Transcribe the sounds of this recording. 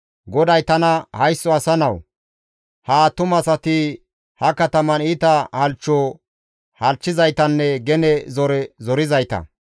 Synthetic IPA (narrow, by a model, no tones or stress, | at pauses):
ɡɔd̪ɐjt̪ɐnɐhɐjsːɔɐsɐnɐw | haːt̪ʊmɐsɐt̪ɪ | hɐkɐt̪ɐmɐniːt̪ɐhɐlt͡ʃːɔ | hɐlt͡ʃːɪzɐjt̪ɐnːɛɡɛnɛzɔɾɛzɔɾɪzɐjt̪ɐ̰